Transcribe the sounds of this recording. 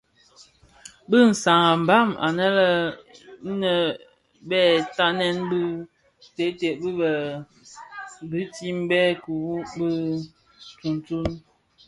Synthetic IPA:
bə˦n̩˨sa˨ŋa˨m̩˨ba˦˨ma̰˨nə˦lə˦ | nə˨ | bɛ˦˨ta˦nɛ˦nbə˦ | te˨˦te˨bə˦bə˨ | bɨ˦ti˦m˦bɛ˦ku˨wu˦bə˦˨ | tu˨n˨tu˦n

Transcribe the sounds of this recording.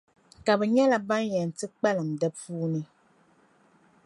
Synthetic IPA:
ka˨bɛ˨ɲɛ˦la˨ba˦njɛ˨n̩˨tɨ˦k͡pa˦lɨ˨m̩˨dɛ˦puː˦nɨ˦

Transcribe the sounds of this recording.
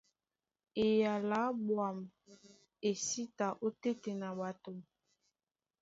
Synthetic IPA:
e˨ja˨la˨˦bwa˨m | e˨si˦ta˨ʔo˦te˦te˨na˨ba˨to˨

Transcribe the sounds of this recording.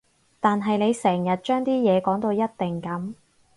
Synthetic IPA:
t̪aː˨nɦɐ˨jne˨˧jsɛː˨˩ŋjɐ˨t̚t͡ʃœː˥ŋt̪iː˥jɛː˨˧kɔː˨˥ŋt̪o˧wjɐ˥t̚t̪ɪ˨ŋkɐ˨˥m

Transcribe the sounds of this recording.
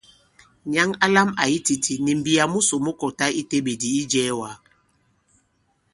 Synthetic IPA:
ɲa˦ŋa˦la˦ma˨ji˦ti˨tʰi˨ni˨m̩˨bi˨a˨mu˦so˨mɔ˦kɔ˨ta˦i˦te˦ɓe˨di˨i˦d͡ʒɛː˦wa˨˦

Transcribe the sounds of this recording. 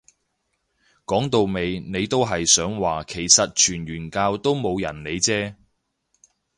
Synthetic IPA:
kɔː˨˥ŋt̪o˨˧wme˨˧jne˨˧jt̪o˥wɦɐ˨jsœː˨˥ŋwaː˨kʰe˨˩jsɐ˨t̚t͡ʃʰyː˨˩nɥyː˨˩nkaː˧wt̪o˥wmo˨˧wjɐ˨˩nne˨˧jt͡sɛː˥

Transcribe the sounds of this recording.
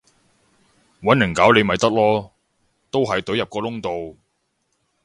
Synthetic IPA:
wɐ˨˥nlɪ˨˩ŋkaː˨˥wle˨˧jmɐ˨˩jt̪ɐ˥k̚lɔː˥ | t̪o˥wɦɐ˨jt̪ɵ˨˥jɐ˨p̚kɔː˧lʊ˥ŋt̪o˨w

